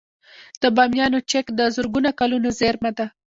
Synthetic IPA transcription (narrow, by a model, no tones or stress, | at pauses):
d̪̥əbɑmjɑnot͡ʃekd̪əzʊɾɡunakalunozeɾmad̪a